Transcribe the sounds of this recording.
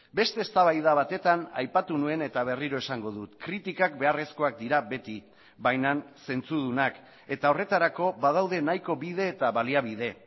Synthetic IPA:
be̞st̪e̞ːst̪aβajðaβat̪e̞t̪ana̰jpat̪unue̞ne̞t̪aβ̞e̞riɾo̞esaŋɡo̞ðut̪kɾit̪ikak̚be̞are̞sko̞ak̚d̪iɾaβe̞t̪i | bajnanse̞nt͡suð̞unak | e̞t̪ao̞re̞t̪aɾako̞βað̞awðe̞najko̞βiðe̞ːt̪aβaliaβið̞e̞

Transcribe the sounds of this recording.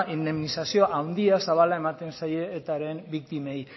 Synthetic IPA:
ʔind̪e̞mnisasio̞ʔawnd̪iasaβalae̞mat̪e̞nsaje̞ːt̪aɾe̞mbik̚t̪ime̞j

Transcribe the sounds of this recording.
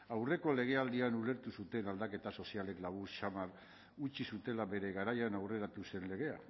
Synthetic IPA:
awre̞ko̞le̞ɣ̞e̞ald̪ianule̞ɾt̪usut̪e̞nald̪ake̞t̪aso̞siale̞klaβ̞uɾʃamaɾ | ut͡ʃisut̪e̞labe̞ɾe̞ɣaɾajanawre̞ɾat̪use̞nle̞ɣ̞e̞a

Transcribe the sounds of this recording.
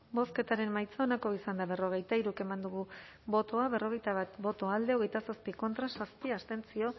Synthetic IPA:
bo̞ske̞t̪aɾe̞mmajt͡saonako̞isand̪aβe̞ro̞ɣ̞e̞jt̪aiɾuke̞mand̪uɣ̞u | bo̞t̪o̞aβe̞ro̞ɣe̞jt̪aβat̪bo̞t̪o̞ald̪e̞o̞ɣ̞e̞jt̪asaspiko̞nt̪ɾasaspiast̪e̞nt͡sio̞

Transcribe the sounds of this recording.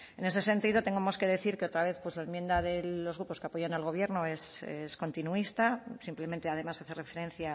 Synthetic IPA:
e̞ne̞se̞se̞nt̪iðo̞t̪e̞ŋɡomoske̞ðe̞θiɾkeo̞t̪ɾaβ̞e̞θpwe̞zlaemje̞nd̪aðe̞lo̞zɣɾuposkeapo̞janalɣo̞β̞je̞ɾno̞e̞sesko̞nt̪inuist̪asimple̞m̃nt̪eað̞e̞masaθe̞re̞fe̞ɾe̞n̟θja

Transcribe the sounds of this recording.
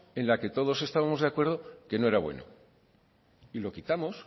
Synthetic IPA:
e̞nlake̞t̪o̞ð̞o̞se̞st̪aβamo̞zðeakwe̞ɾð̞o̞ke̞no̞e̞ɾaβwe̞̰no̰ | ilo̞kit̪amo̞s

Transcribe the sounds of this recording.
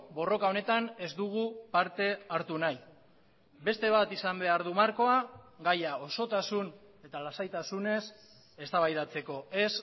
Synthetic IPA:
bo̞ro̞kao̞ne̞t̪ane̞zd̪uɣ̞upaɾt̪e̞aɾt̪unaj | be̞st̪e̞β̞at̪isambe̞aɾðumaɾko̞aɡajao̞so̞t̪asun | e̞t̪alasajt̪asune̞s | e̞st̪aβajðat͡se̞ko̞e̞s

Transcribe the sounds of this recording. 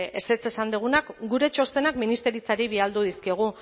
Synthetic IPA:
e̞set͡se̞sand̪uɣ̞unakɡuɾe̞t͡ʃo̞st̪e̞nakminist̪e̞ɾit͡saɾiβiald̪uð̞iskioɣ̞u

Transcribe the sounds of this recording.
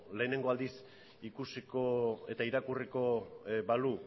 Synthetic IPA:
le̞ːne̞ŋɡo̞ald̪is | ikusiko̞e̞t̪aiɾakuriko̞balu

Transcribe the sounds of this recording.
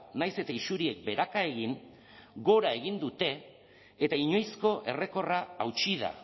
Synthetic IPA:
najse̞t̪aisuɾie̞k̚be̞ɾakae̞ɣiŋ | ɡo̞ɾae̞ɣ̞ind̪ut̪e̞ː | t̪aiɲo̞jsko̞ʔe̞re̞ko̞raawt͡ʃiða̰

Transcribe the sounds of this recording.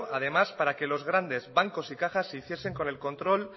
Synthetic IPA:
að̞e̞maspaɾake̞lo̞zɣ̞ɾand̪e̞zβaŋko̞sikaxasːeiθje̞se̞ŋko̞ne̞lko̞nt̪ɾo̞l

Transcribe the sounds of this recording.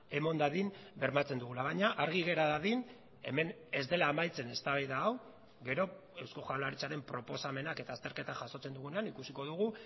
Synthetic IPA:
e̞mo̞nd̪aðinbe̞ɾmat͡se̞nd̪uɣulaβaɲaʔaɾɣiɣ̞e̞ɾaðaðin | e̞̰me̞n | e̞zd̪e̞laːmajt͡se̞ne̞st̪aβajðaːw | ɣe̞ɾo̞e̞wsko̞xawlaɾit͡saɾe̞mpɾo̞po̞same̞nake̞t̪aːst̪e̞ɾket̪aʝaso̞t͡se̞nd̪uɣ̞unanikusiko̞ð̞uɣ̞u

